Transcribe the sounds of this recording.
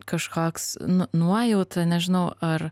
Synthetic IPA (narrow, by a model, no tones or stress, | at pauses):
kɐʃkoːksnʊnuɔjɛʊt̪ɐnʲɛʒʲɪnɐʊʔɐr